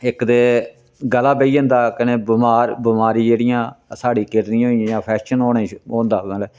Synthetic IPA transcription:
ɪkd̪eː | ɡəlaːbeiːõːnd̪aːkəneːbəmaːɾbəmaːɾiːd͡ʒeːɽɪjãːsaːɽiːkɪɾnioːĩjãːpʰɛːʃənɦoːɽẽːoːnd̪aːəl

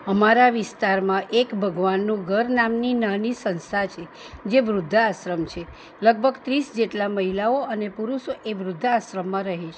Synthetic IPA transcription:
əmaɾaʋɪst̪aɾmãʔekbʱəɡʋanːũɡʱəɾnamninanisənst̪at͡ʃʰe | d͡ʒeʋɾʊd̪ʱːəasɾəmt͡ʃʰe | ləɡ̚bʱəɡt̪ɾisd͡ʒeʈlaməɦilaoənepuɾuʃoʔeʋɾʊd̪ʱːaasɾəmːãɾəɦeʃʰe

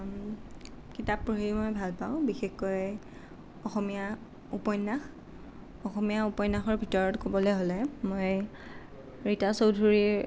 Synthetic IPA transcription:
kitapɹuɦimojbʱalpaʊ̃bixexkoj | ɔxɔmija | upɔjnːax | ɔxɔmijaupɔjnaxɔɹbʱitɔɹɔtkobɔleɦolɛmoj | ɹitasowdʱuɹi

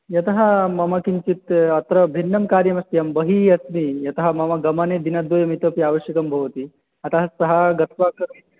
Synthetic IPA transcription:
jɐt̪ɐɦɐmɐmɐkint͡ʃit̪ɐt̪ɾɐbʱinːɐmkaːɾjɐmɐst̪ijɐmbɐɦiɐsmijɐt̪ɐɦɐmɐmɐɡɐmɐned̪inɐd̪ʋojɐmit̪ɐpiaːʋɐʃjɐkɐmbʱɐʋt̪i | ɐt̪ɐɦɐsɐɦɐɡɐt̪ʰʋak

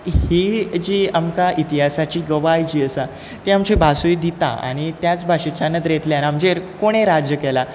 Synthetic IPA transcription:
hid͡ʑiːamkaʔit̪iɦasat͡ɕiːɡəʋajd͡ʑiːəsa | t̪eamt͡ɕebʱasujd̪it̪a̰a̰ɽ̃it̪jat͡sbʱaɕet͡ɕanət̪ɾjet̪ljanamd͡ʑekoɽ̃eɾad͡ʑjəkɛla

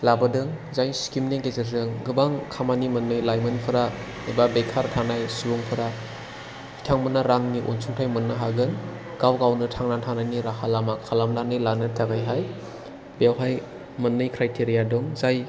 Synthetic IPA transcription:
labɯdɯŋ | zajskimneɡezeɾzɯŋɡɯbaŋkʰamanimɯnːɯjlajmɯnpʰɯɾa | ebabejkʰaɾtʰanajsubuŋpʰɯɾa | i̥tʰaŋmɯnaɾaŋniʔonsʰuŋtʰajmɯnːɯɦaɡɯn | ɡ̥awɡawnɯtʰaŋnantʰanajniɾakʰalamakʰalamlanɯlanɯtʰaɡajɦaj | bewɦaj | mɯnːɯjkʰɾajtʰeɾijadɔŋzaj

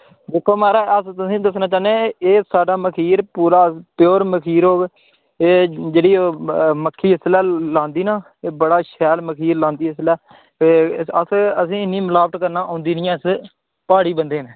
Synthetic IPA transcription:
d̪ɪːkʰːoːmaːɾaːəst̪ʊsĩːd̪əsnãːt͡ʃaːneːeːsaːɖaːməkʰiːɾpuːɾaːpjoːɾməkʰiːɾɦoːɡ | eːd͡ʒeːɽiːoːməkʰːiːɦəslɛːlãːnd̪iːnãː | eːbəɽaːʃɛːlməkʰiːɾlãːnd̪iːɦɪslɛː | əsəsĩːɪnːĩːməlaːʋəʈkəɾnãːʔõːnd̪iːnɪjãːɪs | paːɽiːbənd̪eːneː

